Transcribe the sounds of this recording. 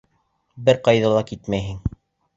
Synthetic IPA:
bɘɾqɑjðɤlˠɑkit̪mæjɦɘŋ

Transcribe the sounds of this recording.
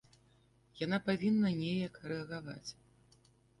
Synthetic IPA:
janapavʲinːɐnʲejɐkrɛɐɣava̰t͡sʲ

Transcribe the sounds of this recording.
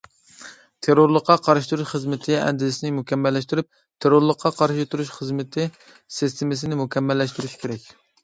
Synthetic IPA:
t̪ʰeɾoɾlˠəqːɑqʰɑɾʃɪ̥t̪ʰuɾuʃχəzmɪt̪ʰɪɛ̰nd̪ɪzɪsɪnɪmukʲɛmːɛlːɛʃt̪ɪɾyp̚ | t̪ʰeɾoɾlˠəqʰːɑqʰɑɾʃit̪ʰuɾuʃχəzmɪt̪ʰɪ | sɨst̪ʰɪmɪs̬ɪnɪmukʲɛmːɛlːɛʃt̪yɾyʃi̥kʲʰeɾɛkʲ

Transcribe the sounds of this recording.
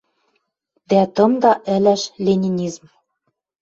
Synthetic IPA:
d̪æt̪ɤ̆md̪ɑʔɘ̆læʃlʲenʲinʲizm

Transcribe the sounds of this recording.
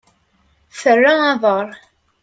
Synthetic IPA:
θərːaɑðˤəɾˤ

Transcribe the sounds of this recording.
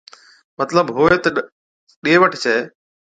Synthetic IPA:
mət̪ləbɦoːet̪ | ɗieʋəʈʰt͡ʃʰeː

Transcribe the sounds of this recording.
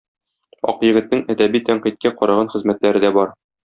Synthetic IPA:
ɒ̰qjɘ̆ɡɘ̆t̪̚nɘŋæd̪æbit̪æɴqit̪̚kæqɒɾɑʁɑnχɘ̆zmæt̪læɾɘd̪æbɒɾ

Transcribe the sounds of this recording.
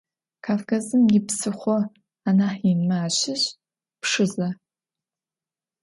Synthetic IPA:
kʰaːfkʰazɨmjɪpsɨχʷɔ | anaħinmaːɕɪɕ | pʂɨzɐ

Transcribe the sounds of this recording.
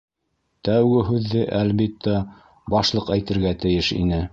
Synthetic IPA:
t̪æwɡɘɦʉðːɘʔælβit̪ʰːæ | bɑʃlˠɤqæjt̪ɘ̆ɾɡæt̪ɘ̆jɘʃḭnɘ

